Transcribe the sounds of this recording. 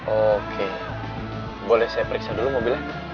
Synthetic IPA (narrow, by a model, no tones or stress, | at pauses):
okʰe | bolɛhsajapəɾiksadulumobila